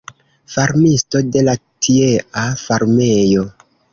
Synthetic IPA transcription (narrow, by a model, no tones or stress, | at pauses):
faɾmisto̞de̞latʰieʔafaɾmejo̞